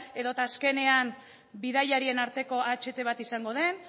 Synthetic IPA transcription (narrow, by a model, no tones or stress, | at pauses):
e̞ðo̞t̪aːske̞ne̞am | biðajaɾie̞naɾt̪e̞ko̞at͡ʃe̞t̪e̞β̞at̪isaŋɡo̞ð̞e̞n